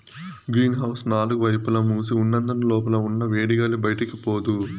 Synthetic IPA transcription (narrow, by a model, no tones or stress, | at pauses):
ɡɾiːnɦɐwsnaːluɡuʋɐjpulɐmuːsiunːɐnd̪ɐnɐlɔːp̬ɐlɐunːɐʋeːɽiɡɐːlibɐjɐʈɐkipoːd̪u